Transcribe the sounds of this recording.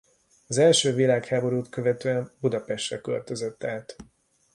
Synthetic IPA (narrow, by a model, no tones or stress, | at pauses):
ɒzɛlʃøːvilaːkhaːbo̞ɾuːt̪kø̞vɛt̪øːɛmbud̪ɒpɛʃt̪rɛkø̰lt̪øzøt̪ːaːt̪